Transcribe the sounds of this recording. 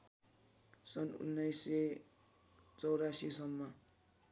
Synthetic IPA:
sʌnṵnːajse | t͡sʌwɾasisʌmːʌ

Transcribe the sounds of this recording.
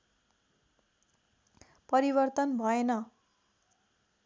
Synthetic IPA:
pʌɾibʌrt̪ʌnbʱʌenʌ

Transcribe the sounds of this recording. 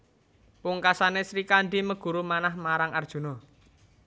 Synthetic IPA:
puŋkasanesɾikaɳɖiməɡ̥ṳɾumanahmaɾaŋard̥ʒ̥ṳnɔ

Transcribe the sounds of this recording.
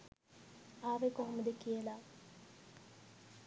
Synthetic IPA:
aːʋekoɦomud̪ekijəla

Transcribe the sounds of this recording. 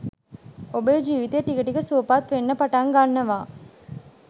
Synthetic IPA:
obəjd͡ʒiːʋit̪ɐʈːikɐʈiɡəsuːpaːt̪ʋenːɐpaʈaːŋɡanːɐʋaː

